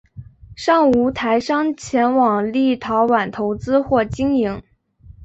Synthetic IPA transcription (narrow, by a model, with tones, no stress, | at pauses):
ʂɑ˥˩ŋu˧˥t̪ʰa˧˥ɪʂɑ˥ŋt͡ɕʰjɛ˧˥nwɑ˨˩ŋli˥˩t̪ʰɑ˧˥ʊwa˨˩nt̪ʰo˧˥ʊt͡sɹ̩˥xwɔ˥˩t͡ɕi˥ŋi˧˥ŋ